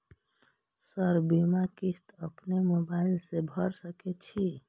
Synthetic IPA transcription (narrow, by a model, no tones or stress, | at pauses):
səɾbimakist̪əpnemobailsebʱəɾsəkɛt͡ʃʰi